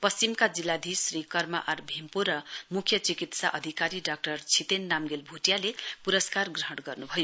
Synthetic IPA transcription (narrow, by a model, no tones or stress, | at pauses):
pʌst͡simkad͡zilːad̪ʱisrikʌrma̰ʔʌrbʱempoɾʌmukʰjʌt͡sikit̪saʔʌd̪ʱikaɾiɖak̚ʈʌrt͡sʰit̪enːamɡelbʱuʈjalepuɾʌskarɡrʌɦʌɽɡʌrnubʱʌjo